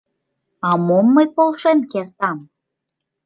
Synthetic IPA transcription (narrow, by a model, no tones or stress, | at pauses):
ɑmomːəjpolˠʃenkert̪ɑm